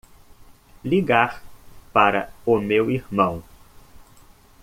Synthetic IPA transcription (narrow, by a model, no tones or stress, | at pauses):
liɡaɾpaɾɐ̰ʊmewiɾmɐ̃w̃